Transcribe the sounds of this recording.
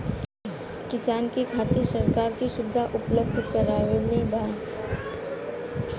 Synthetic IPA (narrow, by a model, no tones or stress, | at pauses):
kɪsaːnkikʰaːt̪isɐɾkaːɾkiʃʊbɪd̪ʱaʔʊpləbd̪ʱkəɾaːwelebʱaː